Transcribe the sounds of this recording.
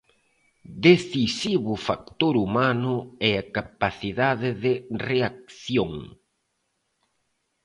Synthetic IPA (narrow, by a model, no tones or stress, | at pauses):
d̪eθisiβʊfak̚t̪oɾumanʊɛakapaθiðaðɪðɪreak̚θjoŋ